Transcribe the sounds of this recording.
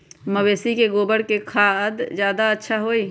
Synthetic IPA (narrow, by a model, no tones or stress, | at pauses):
məweːsikeɡoːbəɽkekʰad̪d͡ʒjaːd̪aətːʃʰaɦoːiː